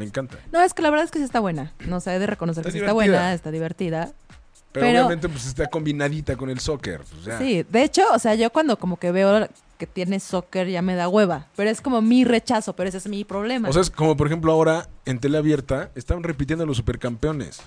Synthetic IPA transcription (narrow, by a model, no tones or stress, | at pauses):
meŋkant̪ano̞e̞ske̞laβe̞ɾðaekesiest̪aβwe̞nanoseeðe̞re̞ko̞noseɾseaβwenaest̪aðiβ̞e̞ɾt̪iða | peopeɾoament̪epweses̬t̪ako̞mbinaðit̪ako̞ne̞lsokḛɾsasiðe̞et͡ʃo̞ːseaʝo̞kwand̪o̞ko̞mo̞ke̞βe̞o | ke̞t̪je̞ne̞so̞keɾʝame̞ðaɣwe̞βape̞ɾo̞e̞sko̞mo̞mire̞t͡ʃaso̞pe̞ɾoesezmipɾo̞β̞le̞maoseskomop̬oɾexe̞mploao̞ɾaent̪̬e̞leaβje̞ɾt̪aest̪aβanrep̬it̪jend̪olos̬ːupe̞ɾkampeo̞nḛs